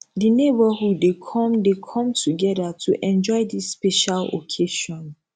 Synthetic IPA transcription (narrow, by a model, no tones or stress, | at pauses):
dinebəhudːekʰɔ̃mdekʰɔ̃mtʰuɡɛdatʰuʔɛ̃nd͡ʒɔɪdisːpɛʃalo̰kʰeʃɔ̃n